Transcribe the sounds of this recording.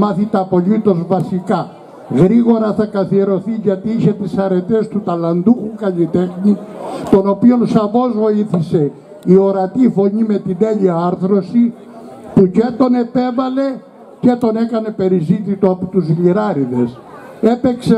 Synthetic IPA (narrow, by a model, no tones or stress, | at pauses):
mɐθit̪ɐɐpo̞ʎit̪o̞zvɐsikɐ | ɣɾiɣo̞ɾɐθɐkɐθie̞ɾo̞θiʝɐt̪iiçe̞t̪isɐɾe̞t̪e̞st̪ut̪ɐlɐnd̪uxukɐlit̪e̞xnit̪o̞no̞pio̞nsɐvo̞zvo̞iθise̞ | io̞ɾɐt̪ifo̞ɲime̞t̪ineʎiɐɐɾθɾo̞si | pucet̪o̞ne̞pe̞vɐle̞ | ce̞t̪o̞ne̞kɐne̞pe̞ɾizit̪it̪oɐpot̪uzʎiɾɐɾiðe̞s | e̞pe̞kse